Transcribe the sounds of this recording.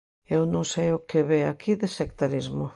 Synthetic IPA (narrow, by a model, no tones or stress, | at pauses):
ewnõŋsejʊkeβeakʰiðesek̚t̪aɾizmʊ